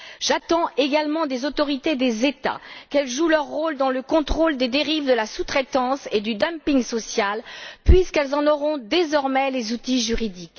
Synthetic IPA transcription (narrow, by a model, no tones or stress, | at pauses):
ʒat̪ɑ̃eɡalmɑ̃d̪ezot̪ɔʁit̪ed̪ezet̪a̰kɛlʒulœʁːold̪ɑ̃ləkɔ̃t̪χold̪ed̪eʁivd̪əlasut̪χɛt̪ɑ̃sed̪yd̪ãmpiŋsɔsjalpɥiskɛlzɑ̃nɔʁɔ̃d̪ezɔʁmɛlezut̪iʒyʁid̪ik